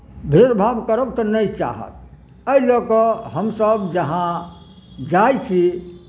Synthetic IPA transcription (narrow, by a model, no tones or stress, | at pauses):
bʱeɾbʱabkəɾəbt̪ɔnəjt͡ʃa̰ɦə̰t̪̚ | əilokɔɦəmsəbd͡ʒəɦã | d͡ʒajt͡ʃʰi